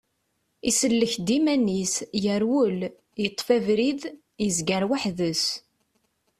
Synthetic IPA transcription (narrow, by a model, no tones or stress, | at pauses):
isəlːəçd̪imænisjəɾwʊl | jət̪ˤːfævɾið | jəzɡəɾwaħðəs